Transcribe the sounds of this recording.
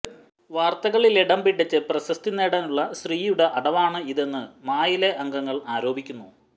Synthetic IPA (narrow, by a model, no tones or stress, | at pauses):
ʋaːrt̪ɐɣɐɭileɽɐmbiʈːɐt͡ɕːɨprɐɕɐst̪inːeːɽɐnuɭːɐɕriːjuɽe̞ʔɐɽɐʋaːɳɨiðenːɨmaːjileʔɐŋɡɐŋːɐɭaːɾo̞ːbʱikʲːunːu